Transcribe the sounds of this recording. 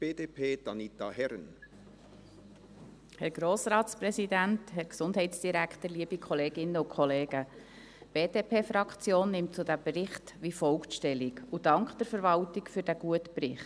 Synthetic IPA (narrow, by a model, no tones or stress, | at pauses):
b̥eːdeːpʰeːd̥ɑnit̪ɑhɛɾən | hɛɾɡ̥ɾoːsɾɑːtsprɛsidæntɦɛɾksʊndɦɛɪtsd̥iɾækχtəɾliəbikʰɔleːɡɪnəʊkʰχɔleːɡ̥ə | b̥eːdeːpʰeːfɾɑkʰt͡sjoːnːɪmtt͡sudæbrɪχtʋifɔlkʃtɛlikud̥ɑŋkχd̥əɾfəɾvɑltikfyːɾd̥æɡ̥uətprɪχt